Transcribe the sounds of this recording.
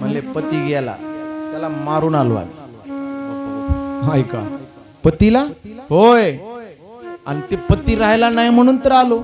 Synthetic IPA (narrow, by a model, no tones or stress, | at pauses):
m̤əɳlepət̪iːɡɛla̰t̪jalamaɾuːnalo̰a̰i | ɦajka̰ | pət̪ilahoj | a̰ñit̪epət̪iɾaɦjlanajm̤əɽ̃uːnt̪əɾalo